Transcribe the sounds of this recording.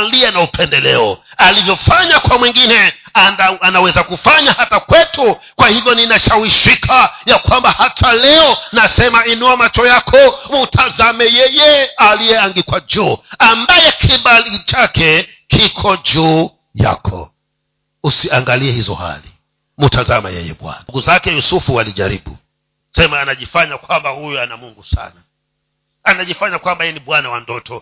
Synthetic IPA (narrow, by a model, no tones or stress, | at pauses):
liɛnaupʰɛndɛlɛ̰ɔalivjɔfaɲakwamwiŋɡinɛ | aaanawɛzakufaɲahatakwɛtu | kwahivjɔninaʃawiʃikʰajakwambahatʰalɛɔnasɛmainuamat͡ʃɔjakʰɔmutʰazamɛjɛjɛalijɛaŋɡikwad͡ʒuːambajɛkʰiɓalit͡ʃakɛkikʰɔd͡ʒuː | ja̰kʰɔ̰ | usiaŋɡaliɛhizɔ̰ha̰li | mutazama̰jɛ̰jɛ̰ɓwa̰naɡuzakɛjusufualiʄa̰ɾḭɓu | sɛmaːnaʄifaɲakwambahujuanamuŋɡusa̰na | anaʄifaɲakwambajɛniɓwanawandɔtɔ